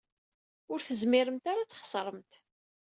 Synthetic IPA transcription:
ʊɾθəzmɪɾəmt̪aɾat͡sːχə̥sˤɾˤəmt̪

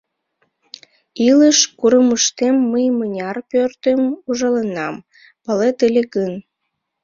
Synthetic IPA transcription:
iləʃkuɾəməʃt̪emːəjmənʲɑrpørt̪əmuʒɑlenɑm | pəlet̪elʲekən

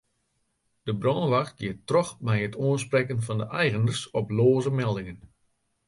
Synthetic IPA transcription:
d̥əbrɔnəʋaxt̚ɡ̥jɪətːrɔxmɛjətʰuənsprɛkənfɑndəʔɛjɣənərsɔploːzəmɛlˠdɪŋən

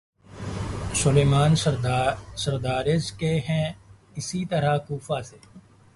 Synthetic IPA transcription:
sʊleːmaːn | səɾd̪aːɾezkeːɦɛ̃ː | ɪsiːt̪əɾaːkuːfaːseː

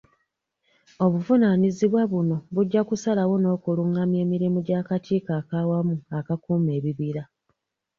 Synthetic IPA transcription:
o̞βuvunaniziβwaβuno̞βuɟːakusalawo̞no̞ːkuluŋːamje̞ːmiɾimuɟaːkatʰiːkaːkaːwamuakakuːme̞ːβiβiɾa

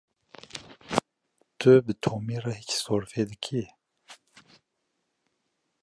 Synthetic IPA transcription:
t̪ɨbɨt̪ʰoːmiːrahicsoːɾfeːd̪ɨkʰi

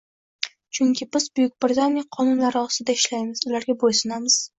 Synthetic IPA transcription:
t͡ʃʰʊŋkʲʰɪbɪzbʊjɪk̚ʲbɾɪt̪ʰanijaqʰɒnʊnlaɾɪɒst̪ɪd̪aɪʃlajmɪzʊlaɾɡʲabojsʊnamɪz̥

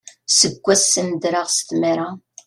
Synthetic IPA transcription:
səɡʷːæsːənd̪ɾaʁst̪maɾa

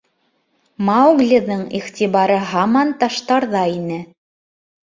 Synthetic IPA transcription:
mɑwɡlʲɘðɤɴiχt̪ʲiβɑɾɤɦɑmɑnt̪ɑʃt̪ɑɾðɑinɘ

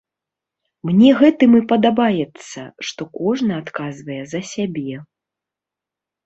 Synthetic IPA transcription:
mnʲɛɣɛt̪ɨmɨpɐd̪abajɛt̪sːɐ̰ʂt̪ɔkɔʐnɐat̪kazvɐjɛzɐsʲabʲɛ

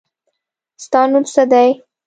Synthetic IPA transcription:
st̪ɑnunsad̪aj

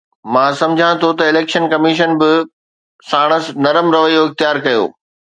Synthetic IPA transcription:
mãːsɐ̃md͡ʑʱãt̪ʰot̪ɐɪleːkʃənkɐmiʃ̬ənbɪ | saːɽ̃əs̆nɐɾəmɾɐʋəijoɪxt̪ɪjaːɾkɐjo̰ː

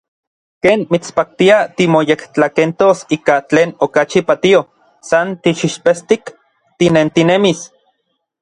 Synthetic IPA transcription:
keːnmit͡spak̚t̪iat̪imojekt͡ɬakent̪osiːkat͡ɬeːnokat͡ʃipat̪io | sant̪iʃiʃpest̪ik | t̪inent̪inemis

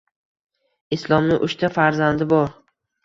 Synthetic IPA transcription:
ɪslˠɒmnɪʔʊʃt̪ʰafaɾzand̪ɪbɒɾ

